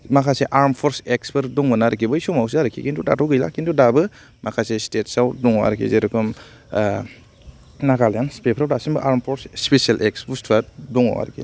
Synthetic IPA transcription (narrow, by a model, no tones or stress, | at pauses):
makʰaseʔaɾmpʰɔɾseksbɯɾdɔŋbɯnaɾikʰibɯjsɔmawsiaɾɯkʰikintuda̰tɔɡɯjla̰kintudabɯ | makʰasestetsawdɔŋɔwa̰ɾkʰḭzeɾɔkʰɔm | naɡaljanspepʰɾawdasimbɯʔaɾmpʰɔɾsspesialʔeksbustʰɾatdɔŋa̰wa̰ɾkʰḭ